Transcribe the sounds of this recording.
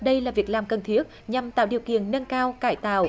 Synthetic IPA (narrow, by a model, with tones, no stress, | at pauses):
ɗə˧jlaː˨˩vi˨˩ək̚laː˨˩mkə˨˩nt̪ʰi˦˥ət̚ɲa˨˩mt̪aː˧˨wɗi˨˩əwkḭ˧˨ənːə˧nkaː˧wkaː˧˩jt̪a̰ː˧˨w